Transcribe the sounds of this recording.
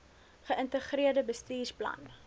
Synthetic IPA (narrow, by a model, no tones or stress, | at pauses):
χəʔəntəχɾiərdəbəstiːrplɐ̰n